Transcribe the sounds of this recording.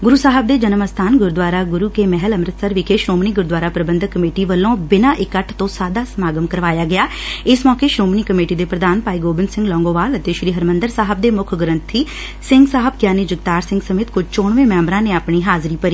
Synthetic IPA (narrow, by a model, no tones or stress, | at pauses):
ɡʊɾuːsaːɦəb̚d̪eːd͡ʒənəməst̪ʰaːnɡʊɾd̪ʋaːɾaːɡʊɾuːkeːmɛɦələmɾət̪səɾʋɪkʰeːʃɾoːmniːɡʊɾd̪ʋaːɾaːpɾəbə̃nd̪ʱkːəmeːʈiːʋəlːõːbɪnãːʔɪkəʈʰt̪õːsaːd̪aːsəmaːɡəmkəɾʋaːjaːɡɪjaː | ɪsmɔːkeːʃɾoːmniːkəmeːʈiːd̪eːpɾəd̪aːnpaːiːɡoːbɪnsɪ̃ŋɡlɔ̃ːŋɡõːʋaːlət̪eːʃɾiːɦəɾmə̃nd̪əɾsaːɦəb̚d̪eːmʊkʰɡəɾənt̪ʰiː | sɪŋɡsaːɦəb̚kjaːniːd͡ʒɪɡt̪aːɾsɪ̃ŋɡsəmeːt̪kʊd͡ʒt͡ʃoːɳʋẽːmɛ̃ːmɾãːneːaːpɳiːɦaːzɾiːpəɾiː